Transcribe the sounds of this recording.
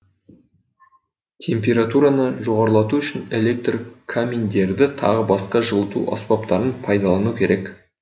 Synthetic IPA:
t̪ʲʰe̞mpʲe̞ɾat̪uɾanəʒo̞ʁɑɾəlˠɑt̪uʏʃɪne̞lʲe̞k̚t̪rkʰamʲind̪e̞ɾd̪ɪt̪ʰɑ̰ʁəbɑsqɑʒəlˠət̪ṵʔɑ̰spɑpt̪ɑɾənpʰɑjd̪ɑlˠɑnukʲʰe̞ɾe̞k

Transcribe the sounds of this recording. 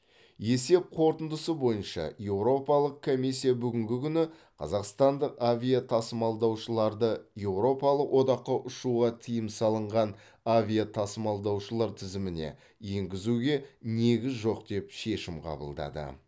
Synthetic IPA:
je̞se̞p̚qʰo̞ɾt̪ənd̪əsəbo̞jənʃɑ̰je̞wɾo̞pɑlˠəq̚kʰːo̞mijs̬ʲːijabʏɡʲɪŋɡʲɪkʲʰʏnɪ | qʰɑ̰zɑqst̪ɑnd̪əqavʲijat̪ʰɑsəmɑlˠd̪ɑwʃəlˠɑɾd̪əje̞wɾo̞pɑlˠəqwʔo̞d̪ɑqːɑʔʊʃuʁɑt̪ʰijəmsɑlˠəɴʁɑn | avʲijat̪ʰɑsəmɑlˠd̪ɑwʃəlˠɑɾt̪ʰɪzɪmɪne̞̰ | je̞ŋɡʲɪzuɡʲe̞ne̞ɡʲɪzʒo̞qd̪e̞pʃe̞ʃɪmqʰɑ̰bə̰lˠd̪ɑ̰d̪ə̰

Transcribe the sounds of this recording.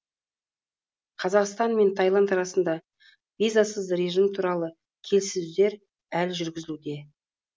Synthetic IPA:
qʰɑzɑqst̪ɑnme̞nt̪ʰɑjlˠɑnt̪ɑɾɑsənd̪ɑ | vʲijzasəzɾe̞ʒɨmt̪ʰuɾɑlˠə | kʲʰe̞lsɪzud̪e̞ɾ | ælʒʏɾɡʲɪzɪlud̪e̞

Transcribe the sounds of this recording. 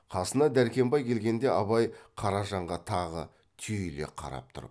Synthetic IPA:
qʰɑsənɑd̪æɾkʲe̞mbɑjkʲʰe̞lɡʲe̞nd̪e̞ʔɑβɑjqʰɑɾɑʒɑɴʁɑt̪ʰɑʁə̰ | t̪ʰyjle̞̰qʰɑ̰ɾɑ̰p̚t̪ʰʊ̰ɾə̰p

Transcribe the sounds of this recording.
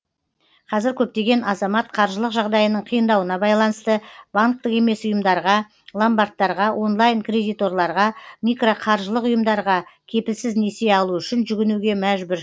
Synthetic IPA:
qʰɑzɪɾkʲʰɵp̚t̪e̞ɡʲe̞nɑzɑmɑt̪̚qʰɑɾʒəlˠəqʒɑʁd̪ɑjənəɴqʰijənd̪ɑwənɑbɑjlˠɑnəst̪əb̥aŋk̚t̪əqe̞me̞sʊjəmd̪ɑɾʁɑ | lˠambart̪ːɑɾʁɑʔo̞nlˠajnkred̪ijt̪o̞rlˠɑɾʁɑmʲijkro̞qʰɑɾʒəlˠəqʊjəmd̪ɑɾʁɑkʲʰe̞pɪlsɪzne̞se̞ɑlˠuʏʃɪnʒʏɡʲɪnuɡʲe̞mæʒbʏɾ

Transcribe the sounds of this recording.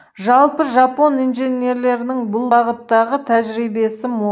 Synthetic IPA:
ʒɑlˠpəʒɑpo̞nijnʒene̞ɾle̞ɾɪnɪŋbʊlˠbɑʁət̪ːɑʁət̪ʰæʒɾijbe̞sɪmo

